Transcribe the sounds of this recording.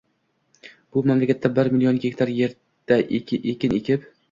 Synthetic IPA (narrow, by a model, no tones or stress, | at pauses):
b̥ʊmamlakʲat̪ːabɪɾmilijonɡʲekʲt̪ʰaɾje̞ɾ | d̪̥aʔeʔekʲɪnekʲʰɪp